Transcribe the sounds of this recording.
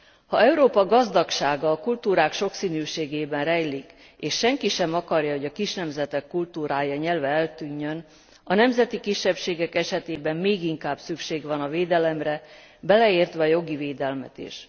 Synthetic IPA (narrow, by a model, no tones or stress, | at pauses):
hɒɛuɾoːpɒɡɒzd̪ɒkʃaːɡɒːkult̪uːɾaːkʃo̞ksiːnyːʃeːɡeːbɛnrɛjlik | eːʃːɛŋkiʃɛmɒkɒrjɒɦo̞ɟɒkiʃnɛmzɛt̪ɛkːult̪uːɾaːjɒɲɛlvɛɛlt̪yːɲːøn | ɒnɛmzɛt̪ikiʃːɛpʃeːɡɛkɛʃɛt̪eːbɛmːeːɡiŋkaːbsykʃeːɡʋɒnɒveːd̪ɛlɛmrɛ | bɛlɛeːrt̪ʋɛɒjo̞ɡiveːd̪ɛlmɛ̰t̪ḭʃ